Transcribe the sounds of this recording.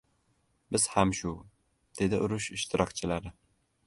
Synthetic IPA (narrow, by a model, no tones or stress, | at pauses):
bɪz̥hamʃʊ | d̪̥e̞d̪ɪʔʊɾʊʃɪʃt̪ʰɪɾɒkt͡ʃʰɪlaɾɪ